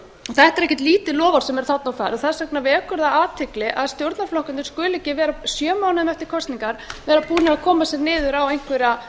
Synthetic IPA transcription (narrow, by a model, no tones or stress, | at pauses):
ɔθɛht̪ɛɾɛhcɛ̥t̪liːt̪ɪlɔːvaɾ̥sɛmɛɾ̥θat̪nawfa̰jɾɔθaðsaknavɪɛkʏɾðaaːt̪ʰɪklɪʔaðst̪jowɾt̪naflɔhkʏnt̪ɪ̥skʏːlɪcɪvɛːɾasjœːmawnʏmɛft̪ɪɾ̥kʰɔst̪niŋkaɾ̥vɛːɾaðpuːnɪaðkʰɔːmasɛɾnɪːðʏɾawejn̥kʰvɛɾa